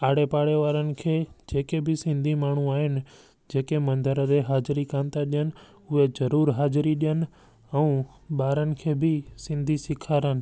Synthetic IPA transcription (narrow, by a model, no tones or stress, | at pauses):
aːɽepaːɽeʋaːɾənɪ̆kʰeːd͡ʒeːkebʱɪsɪ̃nd̪ʱimaːɳ̤ũaːɦɪnɪ̆ | d͡ʑeːkemɐ̃nd̪əɾəd̪eɦaːd͡ʒɾikãːnt̪aɗijənɪ | ʊezɐɾuːɾɦaːd͡ʒɾiɗijənɪ | ɛ̃ũ | ɓaːɾənɪ̆kʰeːbʱɪsɪ̃nd̪ʱisɪkʰaːɾənɪ̆